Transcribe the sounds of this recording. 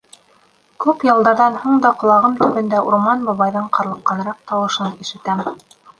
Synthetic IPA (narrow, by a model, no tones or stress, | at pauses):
kupjɤ̆lˠd̪ɑɾðɑnhuɴd̪ɑqŏlˠɑʁɤmt̪ɵ̆βɘ̆nd̪æʔuɾmɑnbɑβɑjðɤɴqɑɾlˠɤ̆qːɑnɤ̆ɾɑq̚t̪ɑwɤ̆ʃɤniʃɘ̆t̪æm